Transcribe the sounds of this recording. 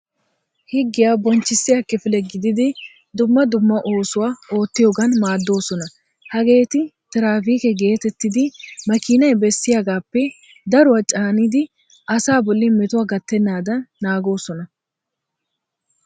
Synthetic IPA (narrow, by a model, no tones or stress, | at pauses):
hɪɡːɪjaːbɔnt͡ʃːɪsːɪjakːɪfɪlɛɡɪd̪ɪd̪ɪ | d̪ʊmːɐd̪ʊmːɐʔo̞ːsʊwaːo̞ːt̪ːɪjoːɡɐnmaːd̪ːo̞ːsɔnɐ | hɐɡe̞ːt̪ɪt̪ɪɾaːfiːkɛɡe̞ːt̪ɛt̪ːɪd̪ɪmɐkiːnɐjbɛsːɪjaːɡaːpːɛ | d̪ɐɾʊwɐt͡ʃʼaːnɪd̪ɪ | ʔɐsaːbɔlːɪmɛt̪ʊwaːɡɐt̪ːɛnːaːd̪ɐnːaːɡo̞ːsɔnɐ